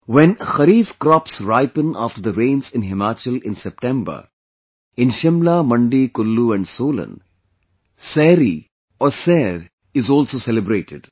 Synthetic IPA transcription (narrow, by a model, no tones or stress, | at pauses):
ʋɛ̃nxɐɾiːfkɾɔːpsɾaɪpə̃na̰ːfʈəɾd̪əɾẽːnzɪ̃nɦɪmaːt͡ʃəlɪ̃nsɛp̚ʈɛ̃mbə̰ɾ | ɪ̃nʃɪ̃mlamɐ̃ɳɖikʊlːuɛ̃ɳɖsoːlə̰̃n | sɛːɾi | ɔːɾsɛːɾ | ɪzɔːlsoːsɛlɪbɾeːʈɪɖ